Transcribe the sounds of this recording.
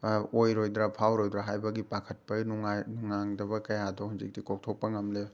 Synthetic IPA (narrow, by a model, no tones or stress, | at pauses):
ojɾojdɾapʰawɾojdɾaɦajbɐɡipakʰɐt̚pɐɡinuŋajnuŋaŋdɐbɐkɐjadohunzḭk̚tikok̚tʰok̚pɐŋɐmleb